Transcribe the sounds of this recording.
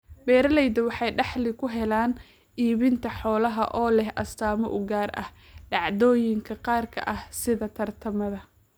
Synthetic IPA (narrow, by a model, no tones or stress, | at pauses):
bɛːɾɐlɛjðɐwɑħɑjɖɑħlɪkʰʊɦɛlaːn | ʔiːβɪnt̪ʰɐħɔːlɐɦɐ̰ʔɔːlɛhʔɐst̪ʰaːmɔʔʊɡaːrɐ̰h | ɖɑʕðɔːjɪŋkʰɐqɑːrkʰɐ̰ʔɐhsɪðɐt̪ʰɐrt̪ʰɐmɐðɐ